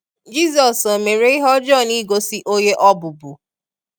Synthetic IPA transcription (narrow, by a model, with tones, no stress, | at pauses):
d͡ʒi˦zɔ˨so˨me˨ɾe˦i˦ɦɔ˦d͡ʒɔ˦˨ni˦ɡo˨si˦ʔo˦je˦ʔɔ˦bʊ˨bu˨